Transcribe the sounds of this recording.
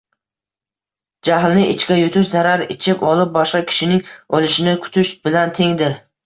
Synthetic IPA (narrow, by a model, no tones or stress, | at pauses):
d͡ʒaɦlnɪʔɪt͡ʃkʲajʊt̪ʰʊʃzaɾaɾɪt͡ʃʰɪpɒlˠɪp̚bɒʃqɑkʲʰɪ̥ʃɪnɪŋɒlˠɪʃɪnɪkʰʊ̥t̪ʰʊʃbɪlant̪ʰe̞ŋd̪ɪɾ